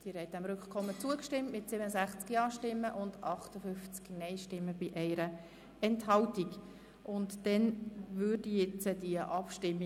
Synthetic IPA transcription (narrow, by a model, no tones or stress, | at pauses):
d̥iːɾhɛɪt̚d̥æmɾʏkχkʰɔmːət͡suəkʃtɪmtmɪtsɪbənəzæχt͡skiɑːʃtɪmːəʔʊndɑχtəfʏft͡sknɛɪʃtɪmːəb̥ɪʔɛɪɾə | ɛnthɑltik | ʔʊntd̥ɛnvʏrdijɛt͡səd̥iəʔɑpʃtɪmːi